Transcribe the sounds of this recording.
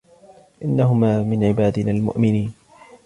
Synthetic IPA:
ʔɪnːaɦʊmaːmɪnʕɪbaːd̪ɪnaːlmʊ̰ʔmɪniːn

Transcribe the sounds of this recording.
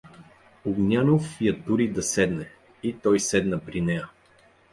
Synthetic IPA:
ʊɡnʲjanofjɐt̪uɾid̪ɐsɛd̪nɛ | it̪ɔjsɛd̪nəpɾinɛjə

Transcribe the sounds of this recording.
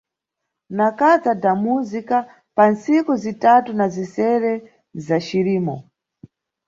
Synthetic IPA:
nakad͡zadamuzika | pansikuzitatunazisɛɾɛ | zat͡ʃiɾiːmɔ

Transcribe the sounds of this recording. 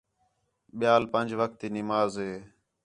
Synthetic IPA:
ɓɪjaːlpənd͡ʒʋək̚t̪iːnɪmaːzɦeː

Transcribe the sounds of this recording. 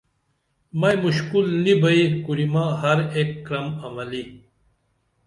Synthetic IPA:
mɐjmuɕkulnibɐikuɾimaːɦɐɾekːɾɐmɐmɐli

